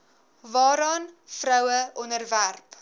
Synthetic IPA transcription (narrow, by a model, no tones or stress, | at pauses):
vɑːɾɑːnfrœwəʔɔnərværp